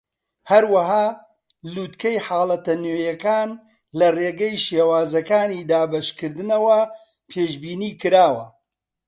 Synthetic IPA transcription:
hɐɾwɐɦaː | luːt̪kɐjħaːlˠɐt̪ɐnoːjɐkaːn | lɐreːɡɐjʃewaːzɐkaːniːd̪aːbɐʃkɨɾd̪ɨnɐwɐ | pʰeːʃbiːniːkɨɾaːwɐ

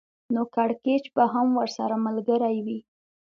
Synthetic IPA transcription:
nokaɽket͡ʃbaɦamwəɾsaɾamalɡəɾajwi

